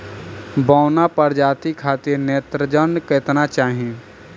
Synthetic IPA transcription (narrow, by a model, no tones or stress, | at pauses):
baːnapəɾd͡ʒaːt̪ikʰaːt̪iɾneːt̪ɾəd͡ʒənket̪nat͡ʃaːɦiẽː